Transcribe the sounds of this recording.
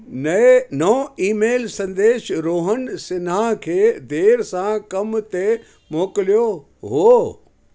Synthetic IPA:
nnɐiːmeːlsɐ̃nd̪eːʃɾoːɦənsɪnakʰeːd̪eːɾsãkɐmt̪e | moːklijo | ɦo

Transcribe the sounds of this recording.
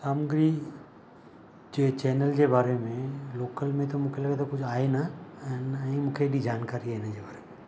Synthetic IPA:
saːmuɡɾi | d͡ʒet͡ʃɛːnəld͡ʒebaːɾemẽloːkəlmẽt̪omukʰeləɡet̪okʊt͡ʃʰaːenanĩmũːkʰeɐɖid͡ʒaːnkaːɾiɦaːenad͡ʒebaːɾemẽ

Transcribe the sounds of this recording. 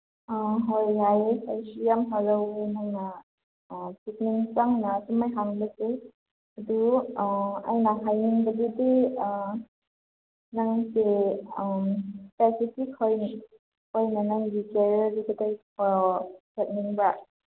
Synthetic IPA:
ɦojlajsajsijamɦaɾawejnaŋna | sik̚niŋt͡ʃaŋnasumajɦaŋbɐse | ɐdu | a̰jnaɦajniŋbɐɡidi | naŋse | spesipʰikhojn | hojnanaŋɡikeɾdiɡɐdajkʰɔsʰet̚niŋba

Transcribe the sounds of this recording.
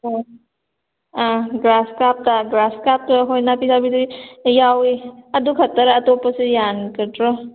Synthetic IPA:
o | aɡɾaskap̚taɡɾaskap̚taɦojnapisabidɯijawiɐdukʰɐtːaɾaːtopasejankɯtɾɔ

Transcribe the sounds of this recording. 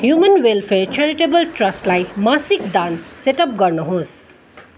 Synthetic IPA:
hjumʌnwelpʰet͡ʃʰaɾiʈebəlʈrʌsʈlajmasik̚d̪anseʈʌp̚ɡʌrnuɦõs

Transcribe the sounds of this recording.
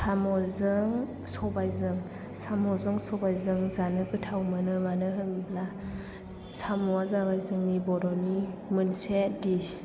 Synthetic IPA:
sʰamɔlzɯŋ | sɔbajzɯŋ | samɔzɯŋsɔbajzɯŋzanɯkɯtʰawmanɯmanɯɦɯŋibla | samuazabajzɯŋnibɔɾɔnimɯnsedis

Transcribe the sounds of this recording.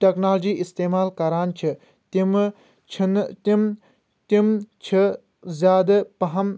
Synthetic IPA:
ʈɐknaːld͡ʒiːʔist̪eːmaːlkɐɾaːnt͡ʃʰi | t̪im | t͡ʃʰint̪im | t̪imt͡ʃʰi | zʲjaːd̪ɐpɐɦɐm

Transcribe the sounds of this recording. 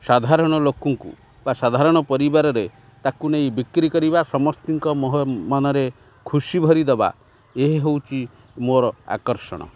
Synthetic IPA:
sad̪ʱaɾɔɽ̃ɔlokɔŋkṵ | basad̪ʱaɾɔɽ̃ɔpɔɾibaɾɔɾe | t̪akuneibikɾikɔɾibasɔmɔst̪iŋkɔmɔɦmɔnɔɾe | kʰusibʱɔɾid̪eba̰ | eɦeɦewt͡ʃʰi | moɾɔa̰kɔɾsɔ̰ɽ̃ɔ̰

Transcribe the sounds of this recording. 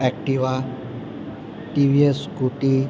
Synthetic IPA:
ɛk̚ʈiwa | ʈibʱieskuʈi

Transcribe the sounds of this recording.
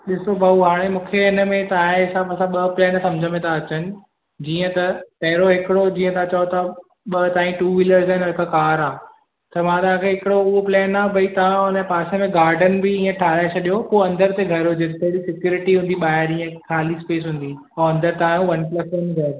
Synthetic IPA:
ɗɪsobʱauɦaːɽ̃emũːkʰeɪnə̆mẽt̪ãːẽsãbɐsãɓɐplɛːnsɐ̃md͡ʑʱəmẽt̪ʰaɐt͡ɕənɪ̆ | d͡ʑiːə̃t̪ɐpɐɦɪɾoɦɪkɪɽod͡ʑiːə̃t̪ɐãt͡ɕɐot̪ɐ | ɓɐt̪ãːĩʈuːʋiləɾzaːɪnoɦɪkakaːɾaː | t̪ɐmãt̪ãːkʰeɦɪkɪɽoʊɦoplɛːnaːbʱɐit̪ɐʋãʊnəpaːsemẽɡaːɾɖənbɪĩːə̃ʈʰaːɾaːet͡ɕʰɐɗijopoːɐ̃nd̪əɾt̪eɡʱɐɾɦod͡ʑet̪t̪ɐɾisɪkjuːɾɪʈiɦũnd̪iɓaːɦɪɾĩːə̃kʰaːlispeːs̬ɦʊ̃ːn̆d̪i | oɐ̃nd̪əɾt̪aãuʋɐnplɐsənɡʱɐɾ

